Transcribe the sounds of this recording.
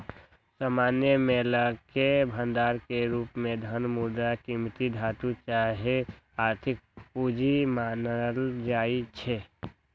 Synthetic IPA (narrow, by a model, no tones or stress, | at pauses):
saːmanjəmeləkebʱənd̪aːɾkeɾuːpmẽd̪ʱənmud̪akimt̪id̪ʱat̪ut͡ʃaɦe | aɾt̪ʰɪk̚pud͡ʒimanəld͡ʒait͡ʃʰɛ